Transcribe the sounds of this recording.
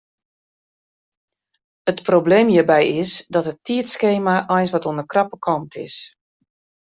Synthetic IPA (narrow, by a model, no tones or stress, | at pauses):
ətprobleːmjiːbɛjɪsdɔtətːiətskeːmaʔɔjnsʋɔtuənəkrɑpəkʰɔmtʰɪ̰s